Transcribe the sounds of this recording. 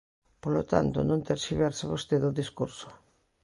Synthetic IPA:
polot̪a̰nt̪ʊ̰nõnt̪eɾʃiβɛɾsɪβost̪eðoðiskuɾso̥

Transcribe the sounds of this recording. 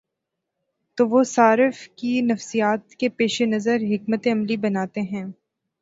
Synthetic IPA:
t̪oːʋosaːɾɪfkinɐfsijaːt̪kepeːʃenɐzəɾɦɪk̚mət̪eɐmlibɐnaːt̪eɦɛ̃ː

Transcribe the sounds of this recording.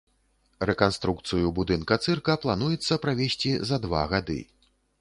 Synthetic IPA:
rɛkanst̪ɾuk̚t̪sɨjubud̪ɨnkɐt̪sɨrkɐplˠanujɛt̪sːɐpɾavʲesʲt͡sʲizɐd̪va̰ɣad̪ɨ̰

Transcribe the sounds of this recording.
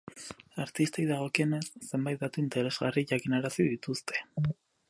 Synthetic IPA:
aɾt̪ist̪ejðaɣ̞o̞kiene̞sːe̞mbajt̪̚d̪at̪uint̪eɾe̞zɣariʝakinaɾasið̞it̪ust̪ʰe̞̥

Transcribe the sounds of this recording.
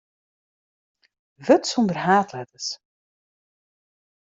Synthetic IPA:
ʋɵtsɔndərɦaːtlɛtəs

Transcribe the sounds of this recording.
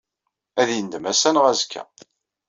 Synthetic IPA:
æðjənd̪əmæsænʁæzkʰːæ̰

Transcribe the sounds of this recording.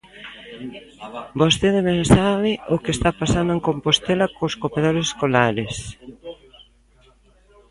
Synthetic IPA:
bost̪eðeβensaβɪʔokest̪apasand̪ʊeŋkompost̪elɐkoskopeðoɾeseskolaɾes

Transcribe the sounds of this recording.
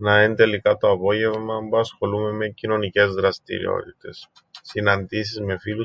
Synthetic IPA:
nɐent̪e̞likɐt̪o̞ɐpo̞ʝe̞vmɐbuɐsxo̞lume̞me̞cino̞nice̞zðɾɐst̪ḭɾḭo̰t̪it̪e̞s | sinɐnd̪is̬izme̞filu

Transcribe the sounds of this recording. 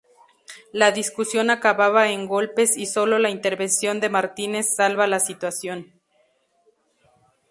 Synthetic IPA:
laðiskusjo̞nakaβaβaeŋɡo̞lpe̞siso̞lo̞laint̪e̞ɾβe̞nsjo̞nd̪e̞maɾt̪ine̞sːalβalasit̪wasjo̞n

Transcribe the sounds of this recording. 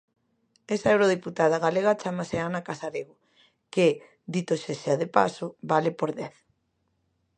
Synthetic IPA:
ɛsaewɾoð̞iput̪aðaɣaleɣat͡ʃamaseanakasaɾeɣo | ke | d̪it̪oʃeseaðepasʊβalepoɾðɛθ

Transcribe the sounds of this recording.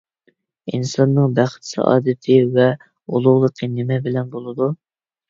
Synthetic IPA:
insɑnːɨŋbæχt̪sɑ̰ʔɑ̰ːd̪ɨt̪ʰɪvɛ | olˠʊʁlˠəqʰənɪmɛbɪlɛnbolˠɨd̪u

